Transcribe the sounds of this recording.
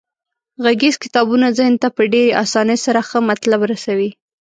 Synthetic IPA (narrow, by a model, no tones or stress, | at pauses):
ɣaɡezkɪt̪ɑbunazəhnt̪apəɖeɾeʔɑsɑnəsaɾaxəmat̪labɾasawi